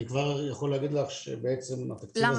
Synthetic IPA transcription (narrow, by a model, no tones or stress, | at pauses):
ikvaʁjaχoleaɡid̪laχʃḛbeet͡se̞ma̰t̪aktiva